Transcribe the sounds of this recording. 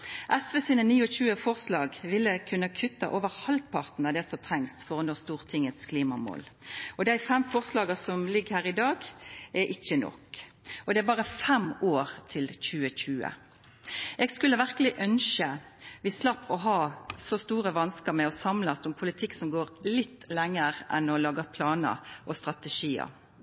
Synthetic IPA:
ʔɛsʋesiːnəniːɔɕʉːəfɔʁslɑːɡʋɪlːəkʰʉnːəkʰʉt̪ːɑʔoːʋəʁhɑlpʰɑʁt̪n̩ɑd̪ɛsɔt̪ʰʁɛŋst̪fɔʁɑnɔːʁst̪uːʁt̪ʰɪŋət̪skʰliːmɑmo̰ːlɔd̪æɪfɛmfɔʁslɑːɡəsɔmlɪɡhæːʁɪd̪ɑːɡʔɛʔɪçːənɔ̰k | ʔɔd̪ɛæbɑːʁəfɛmoːɾt̪ʰɪlc͡çʉːəɕʉːə̰ | ɛːɡskʉlːəʋæʁkəlɪʔœnʃəʋɪslɑpːɔɦɑːsɔst̪uːʁəʋɑnskəmɛɔsɑmlɑsʊmpʰʊlɪt̪ʰɪkːsɔmɡoːʁlɪt̪ːlɛŋːəɾʔɛnɔlɑːɡɑpʰlɑːnə̰ʔɔst̪ʁɑt̪ɛʃiːə̰

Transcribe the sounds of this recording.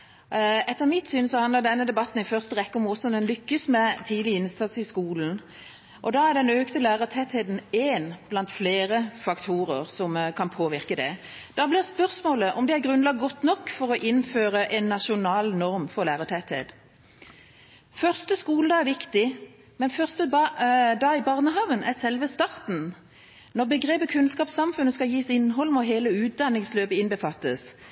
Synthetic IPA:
ɛt̪ːəʁmɪt̪syːnsɔhɑnləɾd̪ɛnːəd̪ɛbɑt̪ːn̩ɪfœʁst̪əʁɛkːəɔmɔsːɔmd̪ɛnlʏkːəsmɛt̪ʰiːd̪lɪɪnsɑt̪sɪskuːln | ʔɔd̪ɑːæd̪ɛnøːkt̪əlæːɾət̪ʰɛt̪heːd̪n̩eːnb̥lɑnt̪fleːɾəfɑkt̪ʰuːɾəʁsɔmkʰɑnpʰoːʋɪɾkəd̪ɛ | d̪̥ɑːblɪʁspœʁsmoːləʔɔmd̪ɛæɾɡɾʉnlɑɡ̚ɡɔt̪ːnɔkːfɔɾɔʔɪnːføːɾəʔɛnːɑʃʊnɑːlnɔɾmfɔʁlæːʁət̪ʰɛt̪hḛːd̪̥ | fœʁst̪əskuːləd̪ɑːæʋɪkt̪ɪ | mɛnfœʁst̪əd̪ɑːɪbɑːʁnəɦɑːʋənʔæʁsɛlʋəst̪ɑʁt̪n̩ | nɔʁbəɡʁeːpəkʰʉnskɑːpsɑmfʉnːəskɑjiːsɪnːɦɔlmɔɦeːləʉːt̪̚d̪ɑnːɪŋsløːbəɪnbəfɑt̪ːəs

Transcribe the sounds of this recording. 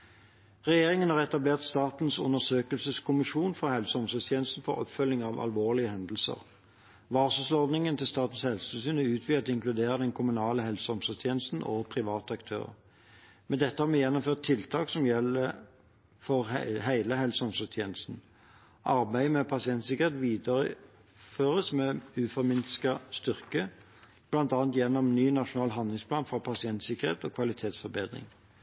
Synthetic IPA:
ʁɛjeːʁɪŋənhɑːʁɛt̪ɑbleːʁt̪st̪ɑːt̪n̩sʊ̰nəʁsøːkəlsəskʰʊmɪʃuːnfɔhɛlsəɔmsɔst̪ʰjeːnəst̪n̩fɔʁɔ̰pfœlːɪŋɑːʋɑ̰lʋoːʁlɪəhɛnd̪əl̩sə̰ʁ | ʋɑːʁsʉsɔʁd̪nɪŋənt̪ʰɪlst̪ɑːt̪n̩shɛlsəsyːnəʉːt̪ʰʋiːɑt̪ɪŋklʉd̪eːʁəd̪ɛnkʰʊmʉnɑːləhɛlsəɔmsɔst̪ʰjeːnəst̪n̩ʔoːpʰʁɪʋɑːt̪əɑkt̪ʰø̰ːʁə̰ | mɛnd̪ɛt̪ːəhɑːɾmɛjɛnːɔmføːʁt̪ʰːɪlt̪ʰɑːksɔmjɛlːə | fɔʁɦæɪləɦɛlsəɔmsɔt̪ʰjeːnəst̪n̩ | ʔɑɾbæɪmɛpʰɑsɪɛnt̪sɪkəʁheːt̪ʋiːd̪ɑʁə | føːʁəsmɛʉːfɔɾmɪnskəst̪ʏʁkə | b̥lɑnt̪ɑːɑnt̪jɛnːɔmnyːnɑʂʊnɑːlɦɑnd̪lɪŋspʰlɑːnfʁɑpʰɑsɪɛnt̪sɪkːəʁḛːt̪ɔːkʰʋɑlɪt̪ʰeːt̪sfɔɾbeːd̪ʁɪ̰ŋ

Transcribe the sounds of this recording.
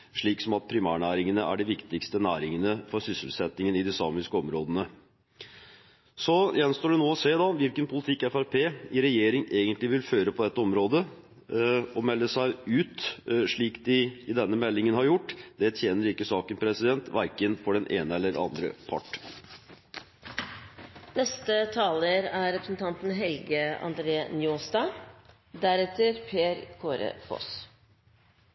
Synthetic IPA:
ʂɭiːksɔmɑt̪̚pʰɾɪmæːɳæːɾɪŋənəʔæ̰ɖɪʋɪkt̪ɪkst̪ənæːɾɪŋənəfɔɾsʏsəlsɛt̪nɪŋənɪd̪ɪsɑːmɪskəɔmɾoːd̪ənə | sɔjɛnst̪oːɖɛnoːɔseːd̪ɑʋɪlkənpʰʊlɪt̪ʰɪkːɛfæɾpʰeːɪɾɛjeːɾɪŋeːɡənt̪lɪʋɪlføːɾəpʰɔd̪ɛt̪ːəɔmɾoːd̪ə | ɔmɛlːəsæɪʉːt̪ʂɭiːkd̪ɪɪd̪ɛnːəmɛlːɪŋənhɑɾjʊʈːd̪̥ɛt̪ʰjeːnəɾɪkːəsɑːkənpʰɾɛsɪd̪ɛnt̪ʋæɾkənfɔɖɛnʔeːnəɛlːəɾɑ̰nd̪ɾə̰pʰɑ̰ʈː | nɛst̪ət̪ʰɑːləɾæɾɛpɾəsn̩t̪ʰɑnt̪n̩ɦɛlɡəɑ̰nd̪ɾeːnjoːst̪ɑː | d̪æɾɛt̪əɾpʰeːɾkʰoːɾə̰fo̰s

